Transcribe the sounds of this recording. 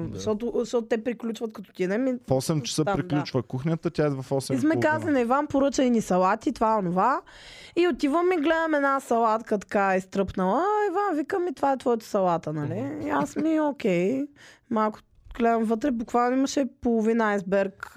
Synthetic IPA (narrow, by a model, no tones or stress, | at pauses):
ʃt̪ɔt̪ʊʃtɔt̪ʊt̪ɛpɾiklʲut͡ʃvɐt̪̚kɐt̪ɔ̥t̪id̪ɛmifɔsɛmt͡ʃɛ̥səpɾiklʲut͡ʃvəkuxnʲət̪ət̪ʲaɛvɐfɔsɛismɛkazlinɐivanpoɾɤt͡ʃəinisɐlˠat̪it̪vaɛonova | iot̪ivəmiɡlɛd̪əmɛd̪nasɐlˠat̪kət̪ɐ̥kaist̪ɾɤpnɐlˠəivanvikəmit̪vaɛt̪vɔjt̪ə̥sɐlˠat̪ənɐliasmiokʲɛjmalˠkʊ̥ | ɡ̥lɛd̪əmvɤt̪ɾɛbʊkvalˠnoimɐʃɛpolˠʊvinajzbɛɾk